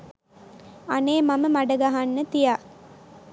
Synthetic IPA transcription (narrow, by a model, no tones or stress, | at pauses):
aneːmaməmaɖəɡaɦanːət̪ija